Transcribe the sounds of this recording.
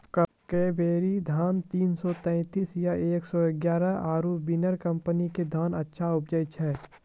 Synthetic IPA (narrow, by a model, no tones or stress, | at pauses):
kə | keːbeːɾid̪ʱaːnt̪iːnsɔt̪ɛ̃ɪt̪iːsjaeːksɔɪɡjaːɾəʔaːɾubinəɾkɐ̃mpəniked̪ʱaːnɐtːʃʰaʊpd͡ʒəɪt͡ʃʰɛː